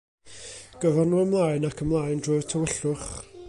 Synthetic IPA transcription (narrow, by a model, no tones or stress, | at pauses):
ɡ̥əvɛrnuːəmlˠaːɨnakʰəmlˠaːjndrʊɨ̥tʰəwəɬʊχ